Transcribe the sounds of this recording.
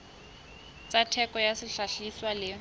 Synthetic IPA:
t͡satʰɛkʼɔjasɪɬaɬiswalɪ

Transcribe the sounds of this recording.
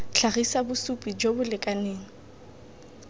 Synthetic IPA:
ɬʰaɣisabʊsupʼid͡ʒobʊlɪkʼaneːŋ̩

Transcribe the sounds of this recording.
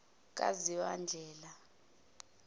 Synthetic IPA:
k̬ʼa̰ziwand͡ʒʱɛːla

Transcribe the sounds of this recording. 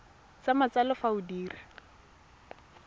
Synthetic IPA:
t͡samat͡salɔfaʊdiːra

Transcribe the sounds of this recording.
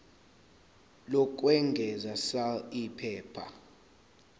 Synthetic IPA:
lɔk̬wɛŋɡʱɛzasaipʰɛːpʰa̰

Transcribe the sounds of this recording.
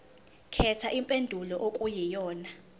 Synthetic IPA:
kʰɛtʰaʔimpʼendʱulɔʔokʼujɛjɔːna

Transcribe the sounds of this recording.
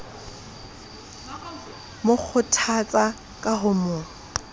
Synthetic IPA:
mok͡xʰʊtʰat͡sʼa | kʼaɦʊmʊːŋ̩

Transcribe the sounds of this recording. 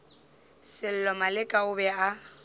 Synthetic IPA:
sɪl̩lɔmalɪkʼaʊbɛa

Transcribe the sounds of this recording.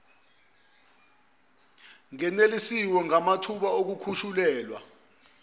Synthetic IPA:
ŋɛnelisiwɔŋamatʰuɓaok̬ukʰuʃulɛːlwa̰

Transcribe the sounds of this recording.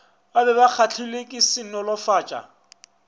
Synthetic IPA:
abɛbak͡xʰat͡ɬʰilekʼɪsɪnɔlɔfaːt͡ʃʼa̰

